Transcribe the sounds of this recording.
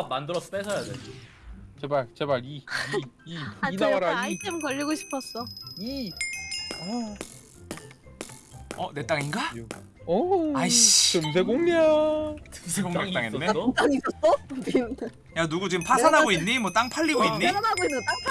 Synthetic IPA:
mandɯɾʌs͈ʌ̥p͈esʰʌjaded͡ʑo | t͡ɕebaɭt͡ɕebaɭi | iidaaɾaaitʰemkʌʎːiɡoɕʰi̥pʰʌs͈ʌi | ʌ | ʌne̞t͈aŋinɡa | ʌaɯms̬ʰeɡoŋɲat͡ɕɯmsʰeɡoŋat͈aŋenːet͈aŋis͈ʌs͈ʌ | januɡut͡ɕiɡɯmpʰasʰanɦaɡoinːimwʌt͈aŋpʰaʎːiɡoinːianaɡoinːɯt͈aŋ

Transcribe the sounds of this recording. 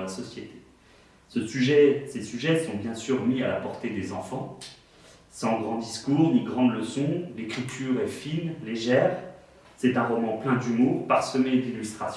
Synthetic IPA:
lasɔsjet̪e̥ | səsyʒɛsesyʒɛsɔ̃bjɛ̃syʁmiala̰pɔʁt̪ed̪ezɑ̃fɑ̃ | sɑ̃ɡʁɑ̃d̪iskuʁniɡʁɑ̃d̪ləsɔ̃lekχit̪ʰyʁɛfinleʒɛːʁ | sɛt̪ɛ̃ʁɔmɑ̃plɛ̃d̪ymuʁpaʁsəmɛd̪ilyst̪χas

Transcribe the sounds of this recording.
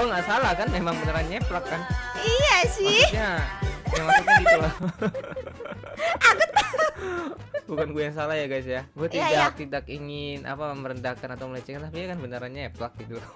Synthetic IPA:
ɡuaŋɡaʔsalahkanmemaŋbənəɾanɲaeplakːanijasikɲajaŋmasukiula | aɡʊt̪a | bukanɡuajaŋs̬alahjaɡajs̬jaɡuat̪idak̚t̪idakiŋɪnʔa̰paməməɾəndakanat̪awmələt͡ʃikant̪apijakanbənəɾanɲaeplak̚ɡit̪ul

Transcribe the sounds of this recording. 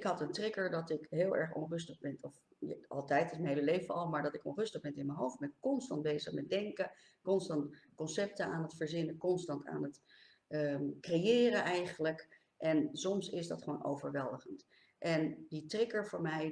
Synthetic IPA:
ɪkɦɑtəntrɪkəɹdɑtɪkɦɪːlˠɛ̰ɹχɔ̰nrɵs̬təχbɪnɔf | ɑ̰lˠtɛjtɪsmənɦejləlejvəɑlˠmaːɹdɑtɪkɔ̰nrɵstəχbɛntɪnmənɦowft̚bɛnkɔnstɑnt̚bejzəχmɛt̚dɛŋkə | kɔnstɑntkɔnsɛp̚təaːnɦətfəɹzɪnəkɔnstɑnta̰ːnɦət | əkrejɪːrənʔɛjχənlək | ʔɛnsɔmsɪsdɑ̰tχəʋo̰wno̰wvəɹʋɛlˠdəχənt | ʔɛnditrɪkəɹvʊːɹmɛj

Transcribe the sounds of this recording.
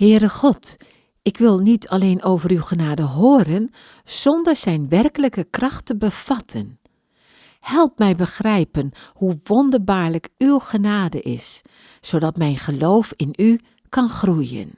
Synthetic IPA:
hɪːɾəxɔt | ɪkʋɪlˠnitʰaleːnoːvəɾywxənaːdəɦoːɾən | z̥ɔndəɹzɛjnʋɛrkələkəkrɑxtəbəv̥ɑtʰən | hɛlˠp̚mɛjbəxrɛjpənhuʋɔndərbaːɹləkywɣənaːdəʔɪ̰s | soːdɑtmɛjnχəloːfɪny | kʰɑnxrujə̰n

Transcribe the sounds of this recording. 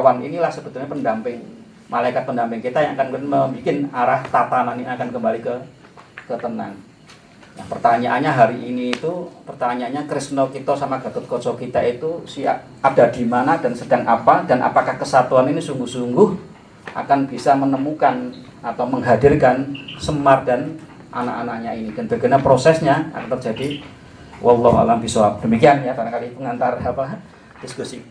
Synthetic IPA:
awanḭnilahsəb̥ət̪ʊlɲapəndampɪŋ | malaikat̪̚pəndampɪŋkit̪ajaŋakannməmbikɪnaɾaht̪at̪ananiakankəmbalikə | kət̪əna̰ŋ | na̰hpərt̪aɲaʔanɲaɦaɾiʔiniːt̪upərt̪aɲaaɲakɾɪsnokit̪osamaɡ̥a̤t̪ʊt̪̚kosɔkit̪ait̪usia̰ | ada̤d̥i̤manad̥ansəd̥aŋʔapad̥anʔa̰pakahkəsat̪uaninisuŋɡʊhsuŋɡʊh | ʔa̰kanb̥isamənəmukan | at̪awməŋɦadirkansəmardan | ʔa̰nakanak̚ɲainid̥anb̥aɡənapɾosɛsɲaa̰kant̪ərd͡ʒadi | wʔalːɔɦua̰lambisɔap̚d̥əmikianjak̪aɾaŋkalipəŋant̪arapa | d̥iskusi

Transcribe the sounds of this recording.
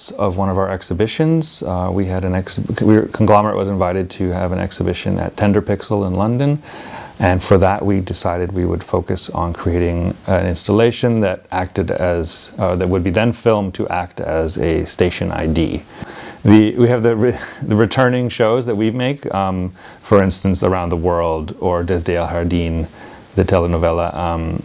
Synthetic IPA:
sʌvwʌ̃ñʌvaʊə˞ɛksɨbɪʃɨ̃nz̥wiɨɾɨ̃nɛksikʰŋɡlɑmə˞ɨ̰ʔwʌ̰zɨ̃ɱvaɪɾɨd̚tʰɨəvɨ̃nʔɛ̰ksɨbɪʃɨ̰̃nʔɨ̰tʰɛ̃ndə˞pɪksl̩ˠə̃nlʌ̃ndɨ̃n | ʔɨ̃nfə˞ðəʔwidɨsaɪɾɨd̚wiwə̰d̥foʊkɨsn̩kʰɹ̥ieɪɾɪ̃ŋ̃nɪ̃nstəleɪʃɨ̃nðɨɾʔæk̚tɨɾɨz̥ðɨt̚wəd̚biðɨ̃nfɪlˠmtʰɨʔæk̚tɨ̰zɨ̰steɪʃɨ̃na̰ɪdḭ | ðɨwiɨvðɨɹðɨɹɨtʰɜ̃˞nɪ̃ŋʃoʊzðɨt̚wimeɪk | fə˞ɪ̃nstɨ̃nsə̰˞ãʊ̃nðəwɜ˞lˠdə˞dɛzdeɪlˠhɑɹdĩn | ðɨtʰɛlˠənoʊvɛlˠə̰ʔ

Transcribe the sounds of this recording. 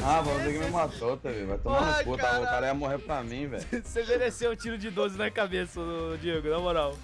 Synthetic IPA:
avɐ̃mʊzekɪmemasot̪ɐvivajt̪omaɐpuɐak̪aɾɐiɐmoɦepɾɐmĩvɛ̰jsemeɾeseũt͡ʃiɾʊd͡ʒɪd̪ozɪnɐkabesɐd͡ʒieɡʊnɐmoɾaw

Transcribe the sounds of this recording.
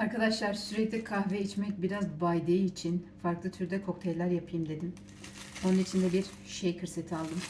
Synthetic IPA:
aɾkad̪aʃlˠaɾsyɾɛclʲɛkʰahvɛit͡ʃmɛc̚biɾazbajd̪ejiːt͡ʃʰinfaɾklˠɯt̪ʰyɾd̪ɛkʰo̞k̚t̪ʰɛjlʲæɾjapʰɯjɯmd̪e̞d̪im | onunit͡ʃʰind̪ɛbiɾ | ʃejkɯɾse̞t̪ʰialˠd̪ɯm

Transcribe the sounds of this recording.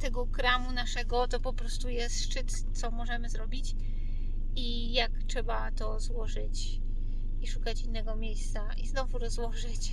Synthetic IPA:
t̪ɛɡɔkɾamunaʂɛɡɔt̪ɔpɔpɾɔst̪ujɛst̪ʂt͡ʂɘt̪ | t̪sɔmɔʐɛmɘzɾɔbʲit͡ɕ | i | jaktʂɛbat̪ɔzwɔʐɘt͡ɕ | iʂukat͡ɕinːɛɡɔmʲjejst̪saʔiznɔvuɾɔzwɔʐɘt͡ɕ

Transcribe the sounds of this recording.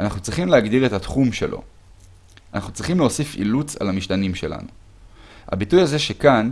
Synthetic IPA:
ʔanaχnut͡sʁiχimleaɡd̪iʁet̪at̪χumʃe̞̰lʔo̞̰ | anaχnut͡sʁiχimleo̞sifḭlut͡sa̰lhamiʃt̪animʃe̞la̰nu | ha̰bitujaze̞ʃe̞kan

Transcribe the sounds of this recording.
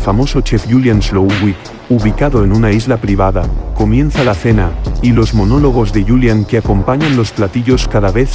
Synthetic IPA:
famo̞so̞t͡ʃe̞fʝuljanslowɣwik | uβikaðo̞enunaizlapɾiβ̞aðako̞mjẽ̞nθalaθe̞nailo̞zmo̞no̞lo̞ɣ̞o̞zðe̞ʝuljaŋkeako̞mpaɲãnlo̞splat̪iʎo̞skaðaβe̞θ

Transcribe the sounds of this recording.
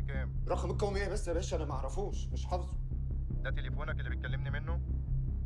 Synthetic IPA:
kæːmɾˤɑxmekːæwmeːhbæsːmæbæːʃʔænæmaʕɾˤɑfuːʃmeʃħɑfzˤu̥d̪æt̪elefoːnækʔelːibet̪̚kælːemnimenːo

